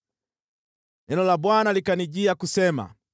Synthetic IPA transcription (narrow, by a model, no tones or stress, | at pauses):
ɛnɔlabwanalikaniɟiakusɛma̰